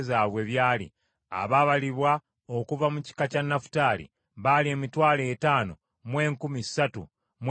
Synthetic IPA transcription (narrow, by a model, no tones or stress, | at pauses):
zaːβwe̞βjaːlḭ | a̰βaβaliβwa | okuvamuci̥kacanːafu̥taːlḭ | βalie̞ːmitwaːle̞ːtaːno | mwe̞ːŋkumisatṵ | mw